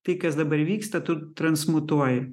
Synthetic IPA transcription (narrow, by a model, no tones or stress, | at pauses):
t̪ɨkɐzd̪ɐbɐɾʲʋʲikst̪ɐt̪ut̪ːɾɐnsmʊt̪oajɛ